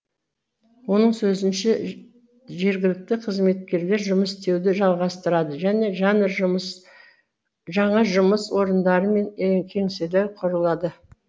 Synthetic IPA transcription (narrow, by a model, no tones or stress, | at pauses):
wo̞nəɴsɵzɪnʃe | ʒe̞ɾɡʲɪlɪk̚t̪ɪqʰəzme̞t̪̚kʲe̞ɾle̞ɾʒʊməsst̪e̞wd̪ɪʒɑlˠʁɑst̪əɾɑd̪əʒæne̞ʒ | ʒɑɴɑʒʊməswo̞ɾənd̪ɑɾəme̞ŋŋkʲʰe̞ŋselæwqʰʊɾəlˠɑd̪ə